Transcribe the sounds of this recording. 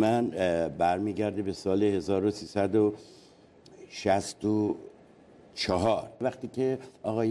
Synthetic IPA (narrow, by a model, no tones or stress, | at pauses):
mænbæɾmiːɟæɾd̪ebe̞sɒːlehe̞zɒːɾosiːsæd̪o | ʃæst̪o | t͡ʃʰɒɦɒːɾvæχt̪iːcʰeɒːɣɒːj